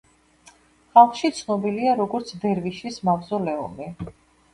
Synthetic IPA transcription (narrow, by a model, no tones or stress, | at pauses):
χalˠχʃit̪sʰnɔbiliaɾɔɡɔɾt̪sʰd̪ɛɾviʃismavzɔlɛṵmi